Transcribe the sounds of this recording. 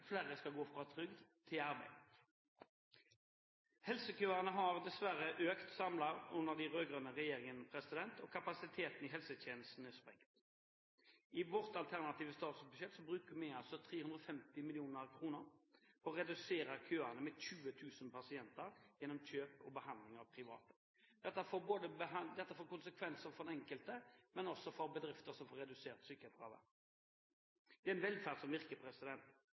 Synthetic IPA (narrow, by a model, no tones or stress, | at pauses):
fleːɾəskɑɡoːfʁɑːt̪ʰɾʏɡd̪t̪ʰɪlɑɾbæ̰ɪ | hɛlsəkʰøːaʁnəɦɑʁd̪ɛsʋæɾəʔøːkt̪sɑmlɑɾʉnəʁd̪æɪʁøːɡʁœnəʁɛjeːɾɪŋənpʰɾɛsɪd̪ɛnt̪ʰɔkʰapɑsɪt̪ʰeːt̪nɪɦɛlsət̪ʰeːnəst̪n̩ɛspʁɛŋt̪ | ɪʋɔʁt̪ɑlt̪ʰæʁnɑt̪iːʋəst̪ɑːt̪sbʉʃɛt̪ːsɔbɾʉːkəmɪɑlsɔt̪ʰɾeːhʉnd̪ʁɔfɛmt̪ɪmɪlɪuːnəɾkʰʁuːnəʁɔɔɾɛd̪ʉseːɾəɾkʰøːɑnəmɛɕʉːət̪ʰʉːsənpɑsɪɛnt̪əɾjɛnːɔmçøːpɔbəhɑnd̪lɪŋɑʋpʰɾɪʋɑ̰ːt̪ə̥ | d̪̥ɛt̪ːəfoːboːd̪əbəd̪ɛt̪ːəfoːkʊnsəkʰʋɛnsəɾfɔɾd̪nɛŋkəlt̪əmɛnɔsɔfɔɾbəd̪ɾɪft̪əsɔmfoːɾɛd̪ʉseːʁt̪syːkə̥hɛt̪̚ɡɑ̰ːʋə̰ | d̪̥ɛæɪnʋɛlfæʁd̪sɔmʋɪʁkəpʰʁɛsɪd̪ɛnt̪